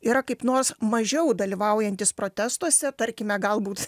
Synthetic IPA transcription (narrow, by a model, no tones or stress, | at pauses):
iːɾɐkɐɪpnoːrsmɐʒʲɛʊd̪ɐlʲiʋɐʊjɛnʲt̪ʲɪspɾoːt̪ʲæːst̪uɔsʲɛt̪ɐɾʲkʲɪmʲɛɡɐlˠbuːt̪